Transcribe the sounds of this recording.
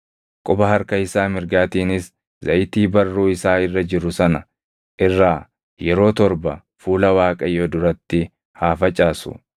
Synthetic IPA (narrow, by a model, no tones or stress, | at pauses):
kʼʊbɐɦɐɾkɐɪsaːmɪɾɡaːt̪iːnɪs | zɐjt̪iːbɐrːuːɪsaːɪrːɐd͡ʒɪɾʊsɐnɐ | ʔɪrːaː | jɛɾo̞ːt̪ɔɾbɐ̰ | fuːlɐwaːkʼɐjoːd̪ʊɾɐt̪ːɪ | haːfɐt͡ʃʼaːsʊ̰